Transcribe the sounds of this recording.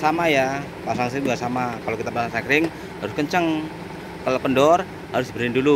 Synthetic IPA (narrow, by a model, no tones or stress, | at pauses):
samaja | pasaŋs̬ibuasamakalokit̪apasaŋsakɾɪŋ | ɦaɾʊskəɲt͡ʃəŋ | kalapəndɔr | ɦaɾʊsbəɾɪndulu